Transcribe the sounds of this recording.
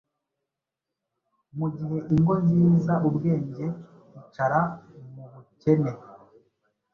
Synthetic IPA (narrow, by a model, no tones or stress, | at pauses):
muɟihe̞ʔiŋɡo̞ɲziːzaʔubɡe̞ːɲɟe̞ | it͡ʃaɾamuβuce̞ne̞